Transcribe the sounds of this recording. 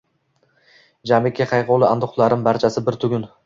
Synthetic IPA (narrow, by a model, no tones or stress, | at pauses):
d͡ʒamɪkʲʰːaχɑjqolˠɪa̰nd̪ʊχlˠaɾɪmbaɾt͡ʃʰasɪbɪɾt̪ʰʊɡʲʊn